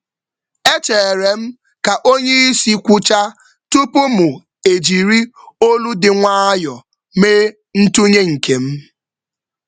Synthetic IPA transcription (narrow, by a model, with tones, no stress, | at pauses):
e˦t͡ʃe˨ɾe˨m̩˦ | ka˨ʔo˦ɲe˦i˦si˦kʷʊ˦t͡ʃa˦ | tu˦pʊ˦mʊ˨ | e˨d͡ʒi˨ɾi˦o˦lu˦dɪ˨ŋʷa˦a˦jɔ˨ | meː˦ | n̩˦tu˦ɲe˦ŋ̩˨ke˨m̩˦